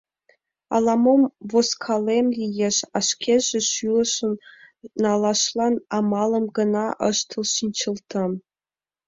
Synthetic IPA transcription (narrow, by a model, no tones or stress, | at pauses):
ɑ̰lˠɑmomvoskʰɑlʲemlʲijeʃɑʃkʲʰeʒĕʃylɤ̆ʃɤ̆nnɑlˠɑʃlˠɑnɑmɑlˠɤ̆mɡɤ̆nɑʔɤ̰ʃt̪ʰɤ̆lˠʃint͡ɕɤ̆lˠt̪ʰɤ̆m